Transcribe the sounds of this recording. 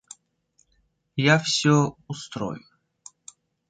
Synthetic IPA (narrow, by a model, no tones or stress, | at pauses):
jafsʲoʊst̪ɾo̰jʊ